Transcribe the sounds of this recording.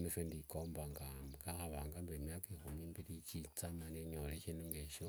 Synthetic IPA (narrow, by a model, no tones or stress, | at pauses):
nufendikombaŋɡamɡaxaβaŋɡambiɾimijakikumimbilit͡ʃit͡samaneɲoleʃinuŋɡeʃo